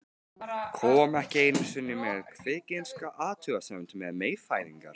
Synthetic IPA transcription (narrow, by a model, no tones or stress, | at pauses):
kʰɔːmɛhcɪejnʏmsʏnːɪmɛðkʰvɪːcenskaʔaːt̪ʰʏɣasɛmʏnt̪ʏmɛðmeːjfaːjðiŋka̰ɾ̥